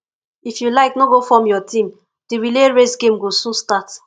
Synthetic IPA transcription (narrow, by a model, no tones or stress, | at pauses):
ifjulaɪknoɡofɔ̃mjɔtĩm | d̥iɹileɹesɡẽmɡosũnstat